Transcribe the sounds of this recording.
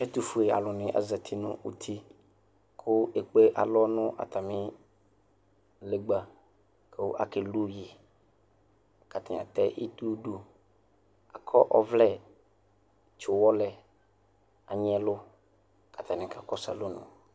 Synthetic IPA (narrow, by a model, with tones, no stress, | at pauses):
ɛ˦t̪u˦fu˦e˨a̰˨lʊ˨nɪ̃˨˦ʔa̰˨zɛ˨t̪ʰi˦nʊ̰̃˦ʔṵ˨t̪ʰi˦ | kʰʊ˦e˨k͡pe˦ʔa̰˨lɔ˦nʊ̃˦ʔa̰˨t̪a˨mɪ̃˦ | le˨ɡ͡ba˨ | kʰe˦o˦ʔa̰˨ke˨lu˦ji˨ | ka˨t̪ʰa̰˨ã̰˨t̪ɛ˦ʔḭ˦t̪u˦ɖu˦ | a˨kʰɔ˦ʔɔ˦vlɛ˦˨ | t͡ʃʊ˨wɔ˦lɛ˨ | a̰˨ɲ˦ɛ˦lʊ˦ | ka˨t̪ʰa˨nɪ̃˨ka˨kɔ˦sa̰˨lo˦nʊ̰̃˨